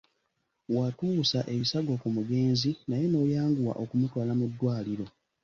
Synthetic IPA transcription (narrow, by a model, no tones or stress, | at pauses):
watuːsaʔe̞βisaɡo̞kumuɡe̞ːnzinajeno̞ːjaːŋɡuwa̰ʔo̞kumutwaːlamudːwaːliɾo̞